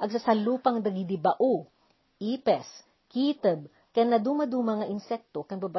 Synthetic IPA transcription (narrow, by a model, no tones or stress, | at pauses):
ʔɐɡ̚sɐsɐluːpɐŋd̪ɐɡid̪ɪbɐʔu | ʔiːpɛs | kiːt̪ɛb̚ | kɐnɐd̪umɐd̪umɐŋɐʔɪnsɛk̚t̪okɐŋbɐba